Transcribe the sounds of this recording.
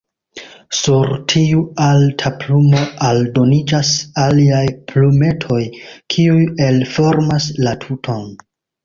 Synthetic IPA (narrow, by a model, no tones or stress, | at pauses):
suɾtʰiualtʰaplumo̞ʔaldo̞nid͡ʒasaliajpʰlume̞tʰo̞jkʰiuje̞lfo̞ɾmaslatʰutʰo̞n